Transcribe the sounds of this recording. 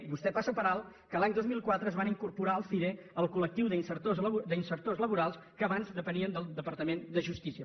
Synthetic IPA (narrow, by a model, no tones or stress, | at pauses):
βust̪ɛpasopəɾalˠkəlaɲd̪ozmilˠkwat̪ɾəzβaniŋkuɾpuɾaəlˠfiɾeəlˠkulək̚t̪iwðinsəɾt̪ozd̪əinsəɾt̪ozləβuɾalˠskəːβanzd̪əpəniənd̪əlˠd̪əpəɾt̪əmend̪əʒust̪isiə